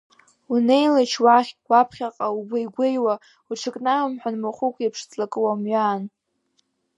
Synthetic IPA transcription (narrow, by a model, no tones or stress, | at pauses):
une̞jlat͡ʃʰwaχʲwapʰχʲaqʼaubʷajɡʷejwa | uʈ͡ʂʰɨkʼnamamħʷᶣanmaχʷukʷʰʼepʰʂt͡sʼlakʼɨwamɥaːn